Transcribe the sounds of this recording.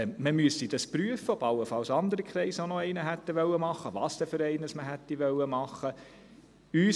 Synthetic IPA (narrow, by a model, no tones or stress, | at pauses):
məmyəsid̥ɑspɾyəfəɔbɑlːəfɑlsɑnd̪əɾikʰχɾɛɪsonɔɛɪnəɦɛt̪ːəʋœlːəmɑχːəʋɑːsd̥̪ɛføɾɛɪnəsməɦɛtːiʋœlːəmɑχːə | yː